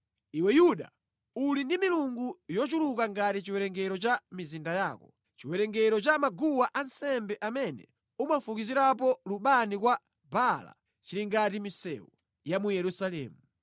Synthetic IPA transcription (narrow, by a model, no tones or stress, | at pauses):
iwɛjuɗa̰ | ulindimiluŋɡujɔt͡ʃulukaŋɡatit͡ʃiwɛɾɛŋɡɛɾɔt͡ʃamizindajaːkɔ | t͡ʃiwɛɾɛŋɡɛɾɔt͡ʃamaɡuwaʔansɛmbɛʔamɛnɛ̰ | umafukiziɾap̬ɔluɓanikwa | bala̰ | t͡ʃiliŋɡatimisɛ̰wu | jamujɛɾusalɛ̰ːmu